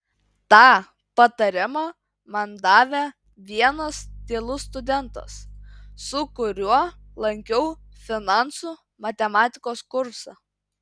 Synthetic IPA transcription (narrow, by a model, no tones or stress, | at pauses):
t̪ɑː | pɐt̪ɐɾʲɪmɑː | mɐnd̪ɑːʋʲe | ʋʲiɛnɐst̪ʲeːlˠʊst̪ʊd̪ʲɛnt̪ɐ̰sː | ʊkʊɾʲuɔlˠɐŋʲkʲɛʊ | fʲɪnɑˑnsu | mɐt̪ʲɛmɑːt̪ʲɪkoːskʊɾsɑ